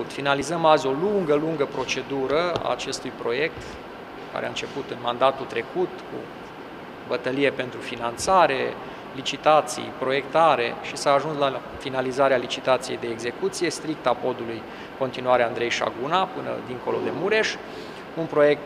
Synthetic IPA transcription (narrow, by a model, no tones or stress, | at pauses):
t̪finalizəmazʲo̞luŋɡəluŋɡəpɾo̞t͡ʃe̞d̪uɾəa̰ːt͡ʃe̞st̪ujpɾo̞je̞k̚t̪ | ka̰ɾea̰ɨnt͡ʃe̞put̪ɨnmand̪at̪ult̪ɾe̞kut̪kṵ | bət̪əlije̞pe̞nt̪ɾufinant̪saɾe̞ | lit͡ʃit̪at̪sḭjpɾo̞je̞k̚t̪aɾe̞̰ʃisaːʒunsla | finalizaɾealit͡ʃit̪at̪sije̞jd̪e̞ːɡze̞kut̪sije̞st̪ɾik̚t̪apo̞d̪uluj | ko̞nt̪inuaɾeand̪ɾe̞jʃa̰ɡunapɨnə̰d̪iŋko̞lo̞d̪e̞muɾe̞ʃ | unpɾo̞je̞k̚t̪